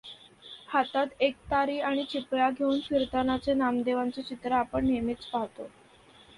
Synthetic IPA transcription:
hat̪at̪ek̚t̪aɾiːaɽ̃it͡ɕipɭaɡʱeunfiɾt̪anat͡senamd̪eʋant͡set͡ɕit̪ɾaːpəɳːemet͡spaɦt̪o

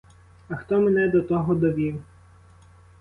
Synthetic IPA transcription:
ɐxt̪ɔmenɛd̪ɔt̪ɔɦɔd̪ɔʋʲiw

